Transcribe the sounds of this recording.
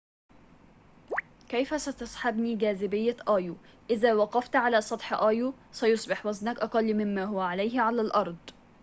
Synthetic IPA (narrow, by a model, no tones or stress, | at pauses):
kæjfæsæt̪ɑsˤħabniːɡæːzɪbɪjːæʔæːju | ʔɪðæːwɑqɑft̪ʕalæːsˤɑt̪ˤħʔæːju | sæjʊsˤbɪħwæznakʔɑqɑlːmɪmːæːɦʊwæʕalæjhʕalæːlʔɑɾˤd̪ˤ